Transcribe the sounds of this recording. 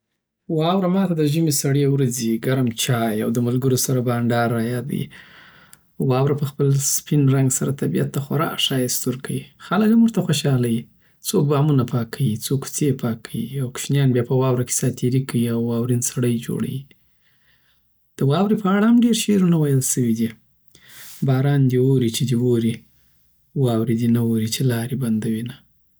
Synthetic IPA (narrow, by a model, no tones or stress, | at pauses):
wɑwɾamɑt̪ad̪əʒəmesaɽewɾaziɡaɾamt͡ʃɑjawd̪əmalɡəɾosaɾabɑɳɖɑɾɑjɑd̪ə̰ḭ | wɑwɾapəxpəlspɪnɾaŋɡsaɾat̪abijat̪ːaxaɾɑ̰kʃɑjɪst̪uɾkʰawixaləkhamːuʐt̪axoʃɑlaji | t͡sok̚bɑmunapʰɑkʰawit͡soku̥t͡sepʰɑkʰːawiawkʃnjɑnbjɑpəwɑwɾake̥sɑt̪iɾikawiawːɑwɾinsaɽəjd͡ʒo̰ɽa̰wi | d̪̥əwɑwɾipəaɽahamɖeɾʃeɾunawajəlʃəwid̪i | bɑɾɑnd̪iwoɾit͡ʃed̪iwoɾi | wɑwɾed̪inawoɾit͡ʃelɑɾeband̪awina